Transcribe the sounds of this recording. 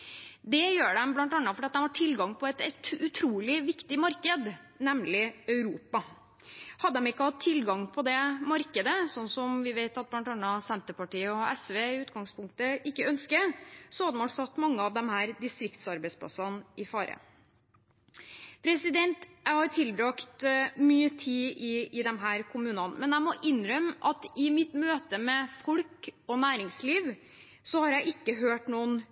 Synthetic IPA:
d̪ɛjøːɖɛmblɑnt̪ɑnːɑfɔɖiɑt̪̚d̪ɛmhɑʈʰɪlɡɑŋːpʰɔɛt̪ʉt̪ʰɾuːlɪʋɪkt̪ɪmɑɾkəd̪ | nɛmlɪœʉɾuːpɑ | hɑd̪ːəd̪ɛmɪkːəhɑt̪ʰːɪlɡɑŋpʰɔd̪ɛmɑɾkəd̪əsɔnːsɔmʋɪʋeɪt̪ɑt̪̚blɑnt̪ɑnːɑsɛnt̪əpɑʈiːəɔɛsʋeːɪʉːt̪ɡɑŋspʰʊŋk̚t̪əʔɪkːəœnskəsɔhɑd̪əmɑlsɑt̪ːmɑŋːəɑʋd̪ɛmhæːɾd̪ɪst̪ɾɪkt̪sɑɾbæɪspʰlɑ̰sɑnʔɪfɑːɾə̰ | pʰɾɛsɪd̪ɛnt̪jæɪhɑɾʈʰɪlbɾɑkt̪myːət̪ʰiːɪɪd̪ɛmɦæːɾkʰʊmʉːnɑnmɛnjæɪmɔʔɪnːɾœmʔɑt̪ɪmɪt̪møːt̪əmɛfɔlkɔnæːɾɪŋsliːʋ | sɔhɑɾjæɪʔɪkːəɦøːʈnuːn

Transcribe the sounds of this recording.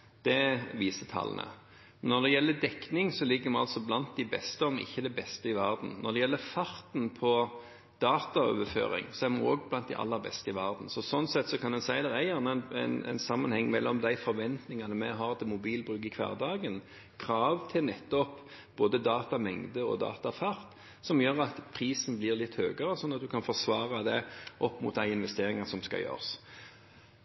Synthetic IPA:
d̪̥ɛʋiːsət̪ʰɑ̰l̰nə̰ | nɔɾd̪ɛjɛlːəd̪ɛknɪŋsɔlɪɡːəɾmɛɑlsɔblɑnt̪̚d̪æɪbɛst̪əɔmɪ̰çːəd̪ɛbɛst̪əɪʋæɾd̪n̩nɔd̪ɛjɛlːəfɑɾt̪n̩pʰɔ | d̪̥ɑːt̪ɑø̰ːʋəfø̰ːɾɪ̰ŋsɔæɾmɑnoːɡblɑnt̪̚d̪æɪʔɑ̰lːəɾbɛ̰st̪əɪʋæɾd̪n̩sɔsɔnːsɛt̪ːsɔkʰɑnd̪ɛnsæɪd̪ɛæɾjæʁnənæɪn̰ɪnsɑmːənhɛŋːmɛlːʔɔmd̪æɪfɔɾʋɛnt̪nɪŋɑnəmɛɦɑʁt̪ɪmʊbiːlbɾʉɡɪkʰʋæ̰ːʁd̪ɑːɡən | kʰɾɑːʋt̪ʰɪlnɛt̪ːɔp | b̥oːd̪əd̪ɑːt̪ɑmɛŋd̪əɔ̰d̪ɑ̰ːt̪ɑfɑɾt̪ | sɔmjøːʁɑt̪pʰɾiːsn̩blɪʁlɪt̪ːhøːɡəɾəsɔnːɑt̪̚d̪ʉkʰɑnfɔsʋɑːʁɑd̪ɛʔɔpːmʊ̰t̪̚d̪æɪɪnʋɛst̪eːʁɪŋɑsɔmskɑ̰jø̰ːʁs

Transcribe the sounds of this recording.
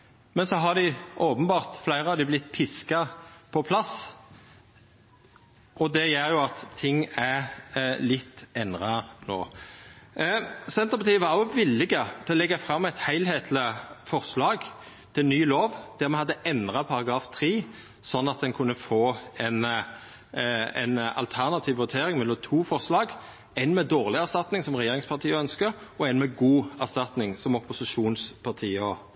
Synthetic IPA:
mɛnsɔɦɑd̪ɪʔoːpənbɑːʁt̪flæɪʁəɑd̪ɪblɪt̪ːpʰɪskɑpʰɔpʰlɑs | ɔd̪ɛjeːɾjʊɑt̪ʰːɪŋːæ | lɪt̪ːɛnʁɑno̰ː | sɛnt̪əʁpɑt̪ʰiːʋɑɾjʊʋɪlːɪɡət̪ʰɛlɛɡːɑfʁɑmːɛɪt̪hæɪlheːt̪ʰlɪfɔʁslɑːɡ | t̪ʰɪlnyːloːʋd̪̥æʁmɛnhɑd̪ːəʔɛnd̪ʁɑpʰɑʁɑɡɾɑːft̪ʰʁiː | sɔnːɑt̪̚d̪ɛnkʰʉnːəfoːɛn | ɛ̰ɪnɑ̰lt̪ʰæʁnɑt̪ʰiːʋʋʉt̪ʰeːɾɪŋmɛlːɔmt̪ʰuːfɔʁslɑːɡ | æɪnmɛːd̪oːʁlɪæʁst̪ɑt̪nɪŋsɔmʁɛjeːɾɪŋspʰɑʁt̪ʰiːəœnskəɾɔɛɪnmɛɡuːæʁst̪ɑt̪nɪŋsɔmɔpːʊsɪʂuːnspʰɑt̪ʰiːəɔ

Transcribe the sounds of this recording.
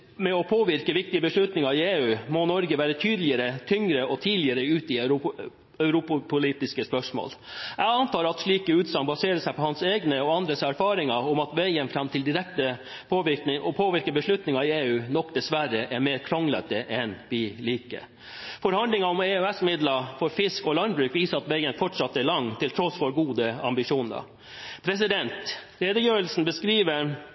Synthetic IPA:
mɛɔpʰoːʋɪɾkəʋɪk̚t̪ɪəbəʂɭʉt̪nɪŋɑɪeːʉːmɔnɔɾɡəʋæːɾət̪ʰyːd̪lɪəɾət̪ʰʏŋɾəʔɔt̪ʰiːd̪lɪəɾəʉːt̪ɪ | œʉɾʊppʰʊliːt̪ɪskəspœʂmo̰ːlʔæɡɑnt̪ɑːɾɑt̪ʂɭiːkəʉːt̪sɑŋbɑseːɾəsæɪpʰɔhɑnseːɡnəɔɑnd̪ɾəsæɾfɑːɾɪŋɑɔmɑt̪ʋɛːjənfɾɑmt̪ʰɪld̪ɪɾɛk̚t̪ə | pʰːʋɪɪʔɔpʰoːʋɪɾkəbəʂɭʉt̪nɪŋɑɪeːʉːnɔkd̪ɛsʋæɾəʔæɾmeːɾkʰɾɔŋlə̰t̪əʔɛnʋɪliːkə̰ | fɔɾhɑnd̪lɪŋɑʊmeːœɛsmɪd̪lɑfɔɾfɪskɔlɑnd̪bɾʉːkʋiːsəɾɑt̪ʋeɪənfɔʈʂɑt̪ːəæɾɭɑŋːt̪ʰɪlt̪ʰɾɔsfɔɾɡuːd̪əɑ̰mbɪʂuːnɑ̰ | pʰɾɛs̬ɪd̪ɛnt̪lɾeːd̪əjøːʋəlsn̩bəskɾiːʋəɾ

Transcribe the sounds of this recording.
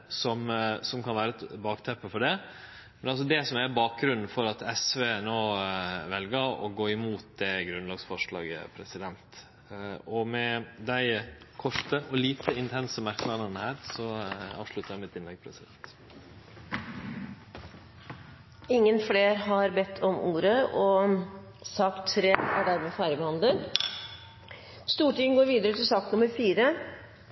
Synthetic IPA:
sɔmsɔmkʰɑnʋæːɾəɛt̪bɑːkt̪ʰɛpːəfɔɖɛ | mɛnɑls̬ɔd̪ɛsɔmæɾbɑːk̚ɡɾʉnn̩fɔɾɑt̪ɛsʋeːnoːʋɛlɡəɾɔ̰ɡoːɪmuːt̪̚d̪ɛɡɾʉnlɑːɡsfɔʂɭɑ̰ːɡə̰pʰɾɛsɪd̪ɛnt̪ | ɔmɛd̪æɪkʰɔʈəʔɔliːt̪ʰəɪnt̪ʰɛnsəmæɾkəlɑnɑnəhæːɾsɔɑ̰ːʋʂɭʉt̪əɾjæɪmɪt̪ɪnlɛɡpʰɾɛsɪɛt̪ | ɪŋːənfleːɾɦɑɾbɛt̪ʰːɔmʔuːɾəɔ | sɑkt̪ʰːɾeːæ̰ɖæɾmeːfæɪɾəbəhɑnd̪ən | st̪uːʈɪŋəɡoːɾʋiːd̪əɾət̪ʰɪlsɑk̚t̪nʊməɾfiːɾə

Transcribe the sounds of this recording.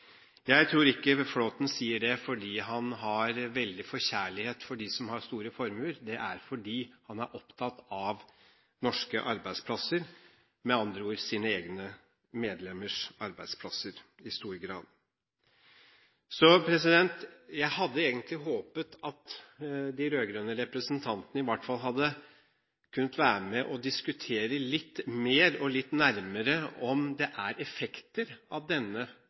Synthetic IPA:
jæɪt̪ʰɾuːɾɪkːəfloːt̪nsiːəɖɛfɔɖiːɦɑnɦɑɾʋɛld̪ɪfɔɾçæːɭɪheːt̪fɔɖisɔmhɑɾst̪uːɾəfɔɾmʉləɾd̪ɛʔæɾfɔɖiːhɑnæɾʔɔpt̪ʰɑt̪ɑʋ | nɔʂkəʔɑɾbæɪspʰlɑsəɾ | mɛɑnd̪ɾəuːɾsiːnəeːɡnə | meːd̪lɛmːəʂɑɾbæɪd̪spʰlɑsəɾɪst̪uːɾɡɾɑ̰ːd̪ | sɔpʰɾɛs̬ɪd̪ɛnt̪jæɪhɑd̪ːəeːɡənt̪lɪɦoːpət̪ɑt̪d̪ɪɾøːɡɾœnːəɾɛpɾəsnt̪ʰɑnt̪ənəɪʋɑʈːfɑlɦɑd̪ːə | kʰʉnːət̪ʋæːɾəmɛʔɔd̪ɪskʉt̪ʰeːɾəlɪt̪ːmeːɾɔlɪt̪ːnæɾməɾəɔmd̪ɛʔæɾɛfɛkt̪əɾɑʋd̪ɛnːə

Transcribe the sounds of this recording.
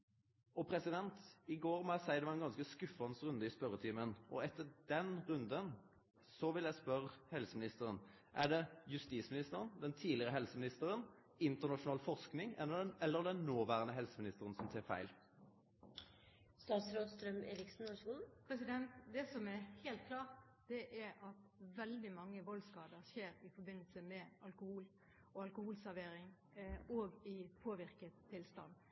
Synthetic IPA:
ɔpʰɾɛsɪd̪ɛnt̪ɪɡoːɾmɔjæɪsæɪd̪ɛʋɑʁɛnɡɑnskəskʉfɑnsʁʉnd̪əɪspœɾət̪ʰiːmənʔɔ̰ɛt̪ːəd̪ɛnʁʉnd̪ən | sɔʋɪljæɪspœʁhɛlsəmɪnɪst̪əɾən | ʔæɖɛjʉst̪iːsmɪnɪst̪əɾənd̪ɛnt̪ʰiːlɪʁəɦɛlsəmɪnɪst̪əɾən | ɪnt̪əʁnɑʂʊnɑːlfɔʂknɪŋɛlːəɛlːəɾd̪ɛnːoːʋæːʁənəɦɛlsəmɪnɪst̪əɾənsɔmt̪ʰɛːfæ̰ɪl | st̪ɑːt̪sɾoːd̪st̪ɾœmḛːɾɪksn̩oskuːln̩pʰɾɛsɪd̪ɛnt̪d̪ɛsɔmæheːlt̪̚kʰlɑːʁt̪ | d̪̥ɛʔæɾɑt̪ʋɛld̪ɪmɑŋːəʋɔlskɑːd̪əɾseːɾɪfɔɾbɪnːəlsəmɛɑlkʊhuːl | ɔɑlkʊhuːlsæɾʋeːɾɪŋ | oːɡɪpʰoːʋɪɾkət̪ʰːɪlst̪ɑ̰nd̪

